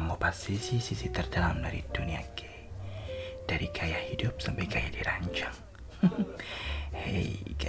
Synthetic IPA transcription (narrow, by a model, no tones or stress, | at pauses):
mopasisisisit̪ərdalamda̰ɾḭd̥uniake̥ | d̥aɾikʰajahidʊp̚sampajkajadiɾaɲt͡ʃaŋ | hɛ̰jka